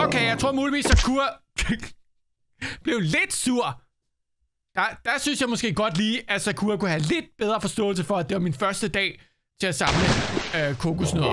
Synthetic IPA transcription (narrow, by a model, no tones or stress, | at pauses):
okeɪjɑɪt͡sʰʁo̝ɐ̰muːliʋḭːsækʰuɐ | b̥le̝ʊle̝d̥suɐ̰ | d̥ɑd̥ɑsynsjɑ̈ɪmɔ̽sɡ̥e̝̰ːɡ̥ɒ̽d̥liːʔæsækʰuɐkuhæle̝d̥̚b̥eð̞ˠʁɐfɒ̽sd̥ɔ̰̽ːl̩s̬əfɒ̽æd̥e̝ʋɑ̈minfɶɐsd̥əd̥ɛ̰ː | t͡sʰe̝æsɑ̈mləøkʰokusnøðˠɐ